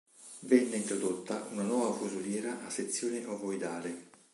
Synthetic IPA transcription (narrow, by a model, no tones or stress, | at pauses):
vɛnːeint̪ɾod̪ot̪ːaunanwɔːvafuzuljɛːɾaʔːsːet̪sːjoːneʔovojd̪aːle